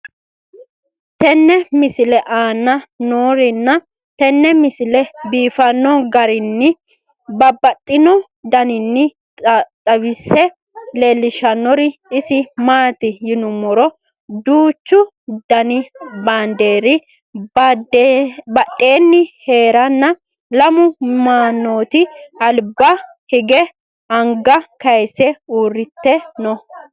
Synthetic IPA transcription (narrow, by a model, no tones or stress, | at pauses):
t̪ɛnːɛmɪsɪlɛʔaːnːɐnoːɾɪnːɐ | t̪ɛnːɛmɪsɪlɛbiːfɐnːɔɡɐɾɪnːɪ | bɐbːɐt̪ʼːɪnɔ | d̪ɐnɪnːɪ | t̪ʼɐwɪsːɛ | leːlːɪʃɐnːɔɾɪɪsɪmaːt̪ɪjɪnʊmɔɾɔ | d̪uːt͡ʃːʊ | d̪ɐnɪbaːnd̪e̞ːɾɪ | bɐʔʼːe̞ːnːɪhe̞ːɾɐnːɐ | lɐmʊmaːnːoːt̪ɪɐlbɐ | hɪɡɛ | ɐŋɡɐkɐjsɛuːrːɪt̪ːɛnɔ